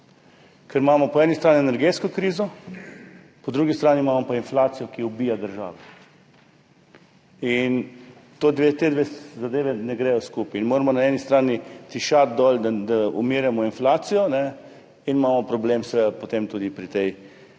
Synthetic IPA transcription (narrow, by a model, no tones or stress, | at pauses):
kʰɛɾmaːmɔpɔɛːnist̪ɾaːniɛnɛɾɡeːt̪skɔkɾiːzɔ | pɔd̪ɾuːɡist̪ɾaːnimaːmɔpainflaːt̪sijɔkiubiːjad̪əɾʒa̰ːʋɛ | in | t̪oːd̪ʋet̪eːd̪ʋezad̪eːʋɛnɛɡɾɛːjɔskuːpːnmoːɾamɔnaɛːnist̪ɾaːnit̪iʃat̪̚d̪ɔld̪ad̪aṵmiːɾjɛmɔinflaːt̪sijɔnɛ | inmaːmɔpɾɔblemsʋed̪apɔt̪emt̪uːd̪ipɾit̪ɛj